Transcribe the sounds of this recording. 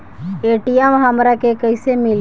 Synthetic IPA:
eːʈijɛmɦəmɾakekəɪsemɪl

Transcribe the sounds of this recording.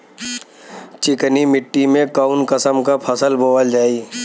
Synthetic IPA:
t͡ʃɪknimɪʈːimẽkaʊnkəsəmkapʰəsəlbʱoːʋəld͡ʒaːi

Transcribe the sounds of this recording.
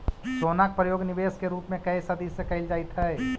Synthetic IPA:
sonak̚pɾəjoːɡnibeskeɾuːpmẽkəisəd̪ʱisekəɪld͡ʒaːit̪ɦɛɛ

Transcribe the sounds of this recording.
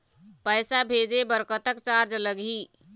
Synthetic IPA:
pəɪsabʱed͡ʒebəɾkət̪əkt͡ʃaɾd͡ʒləɡʱi

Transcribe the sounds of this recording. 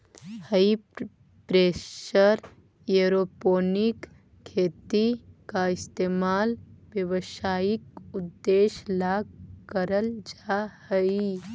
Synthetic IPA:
həi | pɾeːʃəɾ | jeɾoːpoːnɪk | kʰːeːt̪ikaɪst̪eːmaːlʋjəʋʃaːɪkʊd̪ːeːʃlaːɡkəɾəld͡ʒahəi

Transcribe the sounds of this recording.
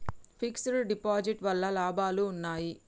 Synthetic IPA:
pʰiksɐɽɖipaːd͡ʒiʈʋɐlːɐlaːbaːluːnːaːji

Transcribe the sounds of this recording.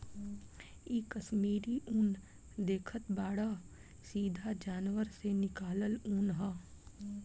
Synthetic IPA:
iːkəʃmiːɾiʔun | d̪eːkʰət̪baːɽa | siːd̪ʱad͡ʒaːnʋəɾsenɪkaːləluːnɦaː

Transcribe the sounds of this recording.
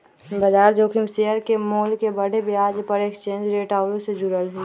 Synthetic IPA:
bəd͡ʒaːɾd͡ʒoːkʰimseəɾkemoːlkebəɽ̤ebjaːd͡ʒpəɾekst͡ʃẽːɲd͡ʒɾeːʈaːʊɾõsed͡ʒʊɾəlɦuː

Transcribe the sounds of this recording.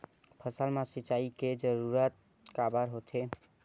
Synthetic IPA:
pʰəsəlmãsit͡ʃaiked͡ʒəɾuɾət̪̚ | kabəɾɦot̪ʰe

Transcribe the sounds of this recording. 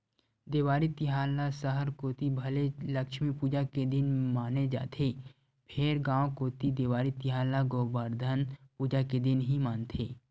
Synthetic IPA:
d̪eːʋaːɾit̪ɪɦaːlasəɦəɾkoːt̪ibʱɐleləkʃmipuːd͡ʒaked̪ɪnmaːned͡ʒa̰ːt̪ʰe | pʰeːɾɡãːw̃koːt̪id̪eːʋaːɾit̪ɪɦaːlaɡoːbəɾd̪ʱənpuːd͡ʒaked̪ɪnɦimaːnt̪ʰeː

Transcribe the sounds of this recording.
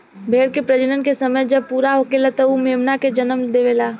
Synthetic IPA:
bʱeːɽkepɾəd͡ʒənənkesəməjd͡ʒəb̚puːɾaɦoːkelat̪əumeːmnaked͡ʒənəmd̪eʋeːlaː

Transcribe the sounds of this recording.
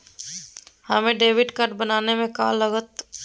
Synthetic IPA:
hɐmẽɖeːʋɪɖkəɾʈ̚bənaːnemẽkaːlːəɡət̪

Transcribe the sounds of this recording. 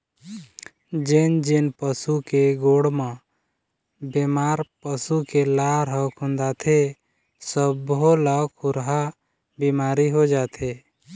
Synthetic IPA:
d͡ʒend͡ʒenpəsukeɡoɽmə̃ | bemaːɾpəsukelaɾɦəkʰũnd̪aːt̪ʰe | səbɦoləkʰʊɾɦa | bimaːɾiɦod͡ʒaːt̪ʰe

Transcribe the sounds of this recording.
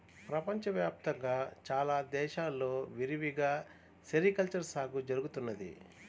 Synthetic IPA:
pɾɐpɐɲt͡ʃɐʋjaːp̚t̪ɐŋɡaːt͡ʃaːlaːd̪ɛːʃaːlːo̞ːʋiɾiʋiɡaː | sɐɾikɐlt͡ʃɐɾsaːɡud͡ʒɐɾuɡut̪unːɐd̪ḭ

